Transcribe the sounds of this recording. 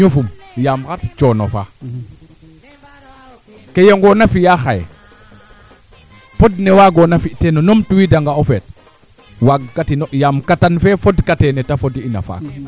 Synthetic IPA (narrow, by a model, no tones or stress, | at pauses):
ɲufum | jamxatt͡ʃono̰fa̰ | kejeŋɡonafijaxaj̰ | podnewaɡonafiʔtenonomtuwidaŋɡaofet̚ | waɡːatinoʔjamkatanfefodkatenetafodiina̰fa̰k